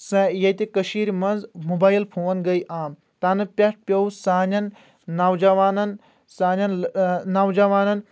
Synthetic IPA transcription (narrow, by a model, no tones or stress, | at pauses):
sɐjɐjt̪ekɐʃiːɾʲmɐnzmobaːjlpʰoːɐnɡɐjʔaːm | t̪aːnɨpʲɐʈ̚ʰpʲɐwsaːnʲɐnː | ɐwd͡ʒɐʋaːnɐn | saːnʲɐnnɐwd͡ʒɐʋaːnɐn